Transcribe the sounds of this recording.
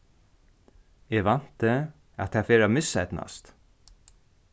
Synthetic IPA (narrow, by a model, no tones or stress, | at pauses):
ɛʋan̥t̪ə | a̰t̪hæfeːɾamɪsɛt̪na̰st̪